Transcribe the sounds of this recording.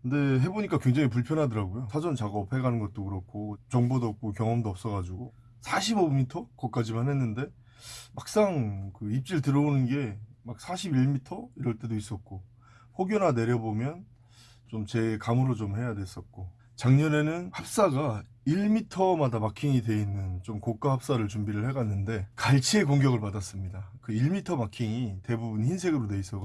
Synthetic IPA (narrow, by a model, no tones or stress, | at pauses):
kɯnde̞ɦe̞boɲik͈akwe̞ŋd͡ʑeŋip̬uɭpʰjʌnɦadɯɾaɡojosʰad͡ʑʌnt͡ɕaɡʌp̚ʰhe̞ɡanɯnɡʌt̚t͈okɯɾʌkʰot͡ɕʌŋbodoʌp̚k͈ok̬jʌŋʌmdoʌp̚s͈ʌɡad͡ʑuɡo | sʰaɕʰibomitʰʌkʌk̚k͈ad͡ʑimanɦe̞nːɯnde̞ | mak̚s͈aŋkɯip̚t͡ɕ͈iɯɭtɯɾʌonɯnɡe̞mak̚s͈ʰaɕʰibiɭmitʰʌiɾʌɭt͈e̞dois͈ʌt̚k͈o | ɸʰoɡjonane̞ɾjʌbomjʌn | t͡ɕomt͡ɕe̞kamɯɾot͡ɕomhe̞jadwe̞s͈ʌt̚k͈o | t͡ɕaŋɲʌne̞nɯnhap̚s͈aɡa | iɭmitʰʌmadamakʰiŋide̞inːɯnt͡ɕomkok͈ahap̚s͈aɾɯɭt͡ɕumbiɾɯɭhe̞ɡanːɯnde̞kaɭt͡ɕʰie̞koŋɡjʌɡɯɭpadas͈ɯmɲidakɯiɭmitʰʌmakʰiŋite̞bubunçinsʰe̞ɡɯɾone̞is͈ʌɡ